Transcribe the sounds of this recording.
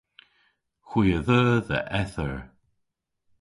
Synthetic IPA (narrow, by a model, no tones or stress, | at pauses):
xwiːəðəːðə̰ʔɛθəɹ